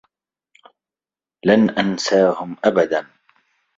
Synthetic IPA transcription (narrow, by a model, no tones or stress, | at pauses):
lanʔansaːhʊmʔabad̪an